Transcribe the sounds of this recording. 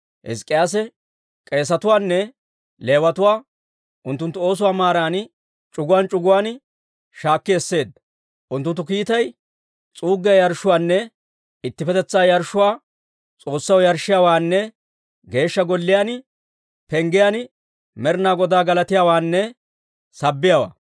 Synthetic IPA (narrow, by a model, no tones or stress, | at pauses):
hɛ̰skʼːɪjaːs̬ɛ | kʼe̞ːsɐt̪ʊwaːnːɛ | le̞ːwɐt̪ʊwaː | ʔʊnt̪ːʊnt̪ːʊo̞ːs̬ʊwaːmaːɾaːn | t͡ʃʼʊɡʊwaːnt͡ʃʼʊɡʊwaːn | ʃaːkːɪjɛsːe̞ːd̪ɐ | ʔʊnt̪ːʊnt̪ːʊkiːt̪ɐj | t͡sʼuːɡːɪjɐjɐɾʃːʊwaːnːɛ | ɪt̪ːɪpɛt̪ɛt͡sːaːjɐɾʃːʊwaː | t͡sʼo̞ːsːɐwjɐɾʃɪjaːwaːnːɛ | ɡe̞ːʃːɐɡɔlːɪjaːn | pɛŋɡɪjan | mɛɾnaːɡɔd̪aːɡɐlɐt̪ɪjaːwaːnːɛ | sɐbːɪjaːwa̰ː